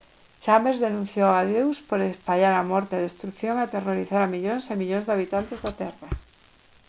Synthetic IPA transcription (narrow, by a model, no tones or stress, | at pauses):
t͡ʃambeɾzðenũn̟θjoaðjewspoɾespaʎaɾamoɾt̪eaðest̪ɾukθjoŋat̪eroɾiθaɾamiʎonsemiʎonzðeaβ̞it̪ant̪ezðat̪era